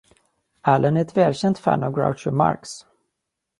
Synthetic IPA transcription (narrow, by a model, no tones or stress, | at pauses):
ælʔənæɾɛt̪vɛːlɕɛnt̪fæ̰nɑvɡɹa̰ʊʂəma̰ɾks